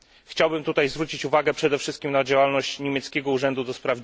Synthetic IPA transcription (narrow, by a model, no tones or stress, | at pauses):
xt͡ɕawbɘmt̪ut̪ajzvɾut͡ɕit͡ɕuvaɡɛpʂɛd̪ɛfʂɘst̪̚kʲimnad͡ʑawalnɔɕt͡ɕɲemʲjɛt̪skʲɛɡɔuʐɛnd̪ud̪ɔspɾav